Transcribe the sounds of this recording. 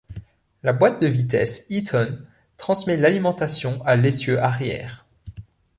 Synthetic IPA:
labwat̪̚d̪əvit̪ɛ̰sit̪ʰɔn | t̪χɑ̃smɛlalimɑ̃t̪asjɔ̃ʔalesjøʔaʁjɛ̰ːʁ

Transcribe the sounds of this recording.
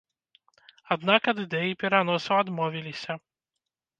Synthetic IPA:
ɐd̪nɑkɐd̪ɪd̪ɛjipʲiɾɐnɔsʊɐd̪mɔʋʲilʲisʲɐ

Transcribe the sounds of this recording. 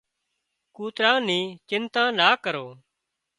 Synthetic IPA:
kuːt̪ɾãːnĩːt͡ʃɪnt̪ãːnaːkəɾoː

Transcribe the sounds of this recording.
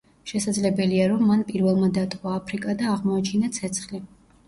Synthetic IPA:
ʃɛsad̪zlɛbɛliaɾɔmːanpʼiɾvɛlˠmad̪at̪ʼaːpʰɾikʼad̪aːʁmɔat͡ʃʰinat̪sʰɛt̪sʰχli

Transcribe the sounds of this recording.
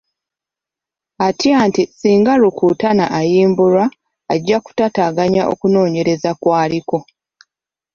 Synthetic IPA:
atjantisiːŋɡaɾukuːtanaʔajiːmbuɾaː | ɟːaku̥tataɡaɲaʔo̞̰kuno̞ːɲe̞ɾe̞zakwaːliko̞

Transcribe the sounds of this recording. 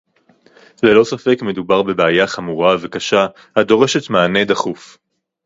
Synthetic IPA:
le̞lo̞safe̞kme̞dubaʁbe̞beajaχamuʁave̞kaʃa | hado̞ʁe̞ʃe̞t̪maːne̞d̪aχuf

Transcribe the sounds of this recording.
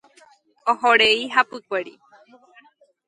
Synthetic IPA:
ohoɾeiɦapɨkʷeɾḭ

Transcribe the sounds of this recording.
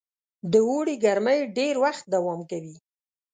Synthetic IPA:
d̪əwoɽiɡaɾməjɖeɾwaxt̪̚d̪awɑmkawi

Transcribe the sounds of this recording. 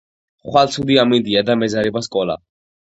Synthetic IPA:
χwalˠt̪sʰud̪iamind̪iad̪amɛzaɾɛbaskʼɔla̰

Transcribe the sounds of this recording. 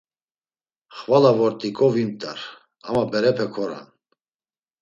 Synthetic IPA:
χvalavɔɾt̪ʼikʼɔvimt̪ʼa̰ɾ | amabɛɾɛpʰɛkʰɔɾa̰n

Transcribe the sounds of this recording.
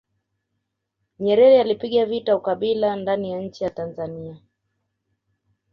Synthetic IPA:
ɲɛɾɛɾɛalipiɠavitaukaɓilandanijaɲ̩t͡ʃijatanzania

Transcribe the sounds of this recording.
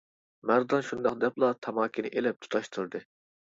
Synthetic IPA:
mæɾd̪ɑnʃund̪ɑχd̪ɛplˠɑt̪ʰɑmɑːkʲʰinɪʔelɪp̚t̪ʰu̥t̪ʰɑʃt̪ʰɨɾd̪ɨ

